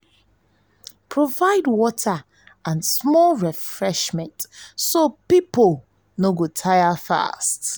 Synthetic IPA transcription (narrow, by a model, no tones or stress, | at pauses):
pʰɹovaɪdwɔtʰa | ãnsmɔlɹɛfɹɛʃmɛ̃ntsopipol | noɡotʰajafa̰st